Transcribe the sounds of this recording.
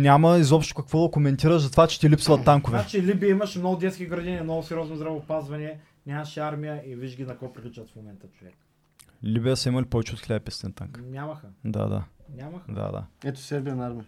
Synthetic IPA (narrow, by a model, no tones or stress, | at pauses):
nʲamɐizɔpʃt̪o̥kɐkvɔd̪ɐkomɛnt̪iɾəʒzɐt̪ovat͡ʃɛ̥t̪ilipsvɐt̪ːaŋkʊvɛat͡ʃilibijəimɐʃmnoɡʊd̪ɛt̪skʲiɡɾɐd̪inʲiɛmnɔɡʊsɛɾjɔznozd̪ɾɐvopazvɐnʲɛ | nʲamɐʃiaɾmijəʔiviʒɡʲinɐkɔpɾiklʲit͡ʃət̪fmomɛnt̪ət͡ʃʊvɛk | libijəsɐimɐlipɔvɛt͡ʃɛot̪xlʲɛɛpɛst̪ɛ̰nt̪a̰ŋknʲamɐxəd̪a̰d̪a̰nʲamɐxd̪a̰d̪a̰ɛt̪o̥sɛɾbiɐnaɾmʲiɐ